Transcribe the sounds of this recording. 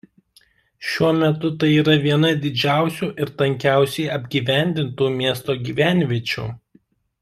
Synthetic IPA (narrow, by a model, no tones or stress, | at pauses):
ʃʲuɔmʲɛt̪ʊt̪ɐɪiːɾɐʋʲiɛnɐd̪ʲɪd͡ʒʲæˑʊsʲuːʔɪɾt̪ɐŋʲkʲæˑʊsʲɛɪɐbʲɡʲiːʋʲæˑnʲd̪ʲɪnt̪uːmʲiɛst̪oːɡʲiːʋʲænʲʋʲiɛt͡ʃʲṵː